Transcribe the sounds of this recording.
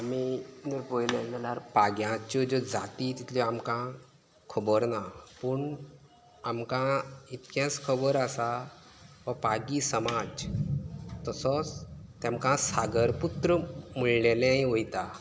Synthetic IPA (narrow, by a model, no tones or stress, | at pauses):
amid͡zəɾpojlenalaɾpaɡjãt͡ɕɔd͡ʑod͡zat̪it̪it̪ʰliamkã | kʰəbəɾnapəɳ | amkãit̪kjãskʰəbəɾasa | ʋəpaɡisəmad͡z | t̪əsɔt͡st̪jãmkãsaɡəɾput̪ɾəmuɭlelẽĩʋojt̪a